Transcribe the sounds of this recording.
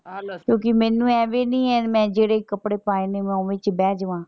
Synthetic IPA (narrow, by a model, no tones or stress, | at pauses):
kjõːk̬ɪmɛ̃ːnũːɛːʋeːnĩːɛːmɛ̃ːd͡ʒeːɽeːkəpɽeːpaːeːneːmɛ̃ːoːʋẽt͡ʃbɛːd͡ʒʋãː